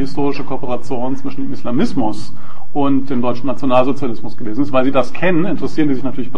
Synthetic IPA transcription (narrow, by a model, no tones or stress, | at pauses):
hɪstʰoːʁ̞ɪʃəkʰoɐpəʁat͡sjoːnt͡sv̥ɪʃn̩deːmɪslamɪsmʊs | ʔʊntd̥eːmdɔʏt͡ʃn̩nːat͡sjonaːlzot͡sjalɪsmʊsɡ̥əveːzn̩ɪstv̥aɪlziːdaskʰɛnənɪntəʁəsiːʁəndiːzɪçnatʰyːɐlɪçb̥ə